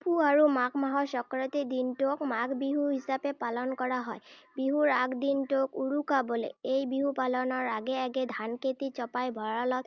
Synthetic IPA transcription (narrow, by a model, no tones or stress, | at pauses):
puaɹumakmaɦɔsɔkɹɔt̪id̪intokmakʰbiɦuɦisapɛpalɔnkɔɹaɦɔjbiɦuɹaɡd̪intokuɹukabɔlejejbiɦupalɔnɔɹaɡɛaɡɛd̪ʱanketit͡ʃɔpajbʱɔɹalɔt̪